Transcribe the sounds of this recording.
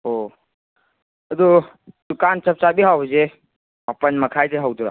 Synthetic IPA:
o | əd̪u | dukant͡ʃəp̚t͡ʃabiɦawze | apənməkʰajdeɦawduɾa̰

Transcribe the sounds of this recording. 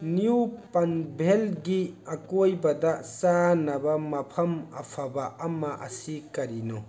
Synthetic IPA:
njupɐnbʱelɡiɐkojbɐdɐsanɐbɐmɐpʰɐmɐpʰabɐɐmːɐʔɐ̰sikɐɾino

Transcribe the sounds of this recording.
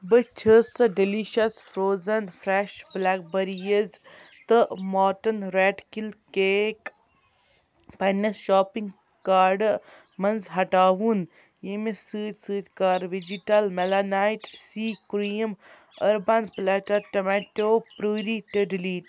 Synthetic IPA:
bət͡ʃʰəsɐɖiliʃɐsfɾoːzɐnfɾɛʃblɛːk̚bɐɾijəz | t̪ɨmɔːʈɐnɾeːʈkilkeːk | pajnɐsʃɔːpiŋɡ | kaːɾɖ | mɐnzɦɐʈaːʋun | jemesɨːt̪sɨːt̪kaːɾʋid͡ʒiʈɐlmelanaːiʈsiːkɾiːm | ɐɾbanplɛːʈɐʈɐmɛʈoːpɾuːɾiʈeɖiliːʈ

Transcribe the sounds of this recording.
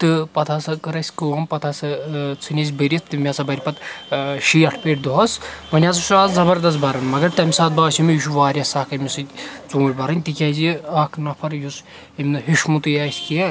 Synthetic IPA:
t̪ɨpɐt̪ʰaːsɨkɐɾɐsʲkɨʋɐmpɐt̪ʰasɨt͡sʰɨnʲɐs̬ʲbɨɾʲist̪ɨmʲasɐbɐɾʲpɐt̪ʃijɐʈʰpeːʈʲd̪uɦɐsmɐnʲjaːsɐʃuaːzzɐbɐɾd̪ɐst̪bɐɾɐnmɐɡɐɾt̪ɐmʲisaːt̪̚baːsʲimijiʃuʋaːɾʲjɐsaːkɐmʲisɨt͡soːbɐɾɐnʲt̪ikʲɐziɐːkʰnɐpʰɐɾjus | imʲnɨɦiʃmut̪ujaːsʲkiɐ

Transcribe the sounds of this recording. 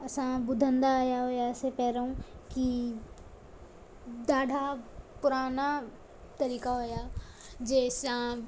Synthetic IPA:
ɐsãbʊd̪ʱə̃nd̪aːjaɦoːjasepɛːɾeɦũki | d̪aːɖʱapʊɾaːna | t̪ɐɾiːkaɦoːjaː | d͡ʒɛːsã

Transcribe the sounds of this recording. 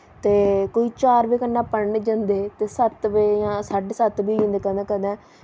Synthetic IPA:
t̪eːkoːiːt͡ʃaːɾbeːkənːãːpəɳneːd͡ʒãnd̪eːt̪eːsət̪ʋejãːsaːɖeːsət̪biːd͡ʒĩːnd̪eːkə̃nd̪ẽːkə̃nd̪ɛ̃ː

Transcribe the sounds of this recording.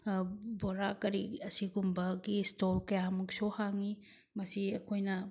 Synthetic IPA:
boɾakɐɾiɐsiɡumbɐɡistolkɐjamuksohaŋi | mɐsiɐkʰojnɐ

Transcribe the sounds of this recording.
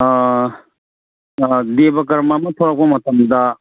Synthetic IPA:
d̪ebɐk̬ɐɾmamɐt̪ʰoɾak̚pɐmɐt̪ɐmd̪ɐ

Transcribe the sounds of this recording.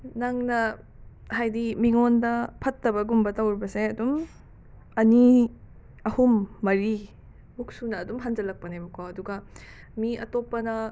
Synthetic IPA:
naŋnɐ | hajdimiŋondɐpʰɐtːɐbɐɡumbɐtɐwɾbɐseɐdum | ɐni | ɐhumːɐɾi | buk̚sunɐːdumɦand͡ʒɐlɐk̚pɐnebɐkʰawɐduɡɐ | miɐ̰topɐnɐ

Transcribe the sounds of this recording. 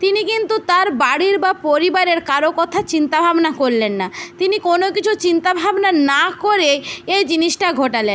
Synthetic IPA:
t̪inikint̪ut̪aɾbaɽiɾbapoɾibaɾeɾkaɾokɔt̪ʰat͡ɕint̪abʱabnakoɾlenːat̪inikonokit͡ɕʰut͡ɕint̪abʱabnanakoɾeejd͡ʑiniʃʈaɡʱoʈalen

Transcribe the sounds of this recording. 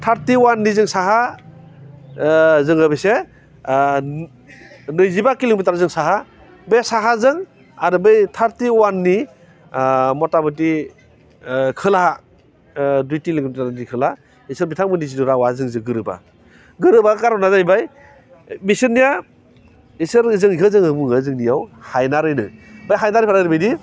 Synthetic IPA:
tʰaɾtiwanːizɯŋsaɦa | zɯŋɯbɯjse | nɯjzibakiliŋbitaɾzɯŋsaɦa | besaɦazɯŋ | aɾɯbɯjtʰaɾtiwanːi | mɔtabɯti | kʰɯlaa | dujtiliŋaɾdikʰɯla | isɯɾbitʰaŋmɯniziduɾawazɯŋzɯɡɯɾɯba̰ | ɡɯɾɯbakaɾɔnazajbaj | bisɯɾnija | isɯɾzɯŋiɦɯzɯŋhɯbuŋɯzɯŋnijawhajnaɾɯjnɯbajɦajnaɾɯjpʰaɾaɾibɯjdi

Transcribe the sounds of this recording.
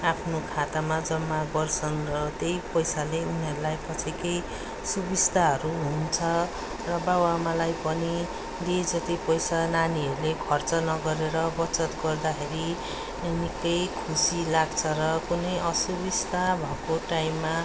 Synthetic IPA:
apʰnokʰat̪amad͡zʌmːabʌrt͡sʰʌnrʌt̪ejpʌjsaleuniɦʌɾulajpʌt͡sʰikʌj | subist̪aɦʌɾuɦunt͡sʰʌ | rʌbawamalajpʌni | d̪ied͡zʌt̪ipʌjsananiɦʌɾulekʰʌrt͡sʌnʌɡʌɾeɾʌbʌt͡sʌt̪ɡʌrd̪akʰeɾi | enikʌjkʰusilaɡt͡sʰʌɾʌkunʌjʌsubist̪abʱʌkoʈaimːa

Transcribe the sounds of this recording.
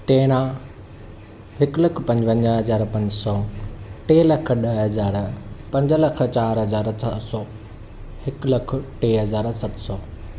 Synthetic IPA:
ʈeːɽ̃ã | ɦɪkləkʰpɐ̃ɲd͡ʑɐ̃ɲd͡ʑəɦɐzaːɾpɐ̃ɲd͡ʑsɔːʈeːlɐkʰɗəɦɦɐzaːɾpɐ̃ɲd͡ʑəlɐk̆ʰt͡ɕaːɾɦɐzaːɾt͡ɕʰɐɦsɔː | hɪklɐk̆ʰʈeːɦɐzaːɾsɐt̪sɔː

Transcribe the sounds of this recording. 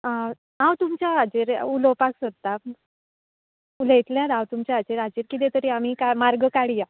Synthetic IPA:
a | awt̪umt͡ɕjaːd͡ʑiɾuləpaksəd̪̚t̪a | uləjt̪ljãd̪awt̪umt͡ɕaad͡ʑiɾad͡ʑiːɾkit̪ẽt̪əɾiam̤ikamaɾɡəkaɽija

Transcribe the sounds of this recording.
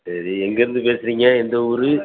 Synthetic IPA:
sɐɾiɛŋɡɐɪɾɯnd̪ɯpeːsɪɾiːŋɡɐɛnd̪ɐuɾɯ

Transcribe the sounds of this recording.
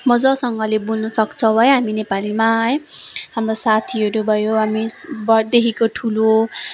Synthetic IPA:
mʌd͡zʌsʌŋɡʌlebulnʌsʌkt͡sʰʌbʱʌjɦaminepalimaɦʌj | ɦamrosat̪ʰiɦʌɾubʱʌjoɦamibʌd̪ekʰikoʈʰulo

